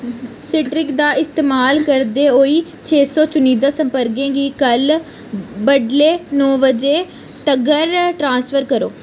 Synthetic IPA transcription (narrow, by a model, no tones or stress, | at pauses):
sɪʈɾɪkd̪aːʔɪst̪eːmaːlkəɾd̪eːɦoːiː | t͡ʃʰeːsɔːt͡ʃʊniːd̪aːsəmpəɾɡẽːɡiːkəl | bəɖleːnɔːʋəd͡ʒeː | ʈəɡəɾʈɾãːnspʰəɾkəɾo̰ː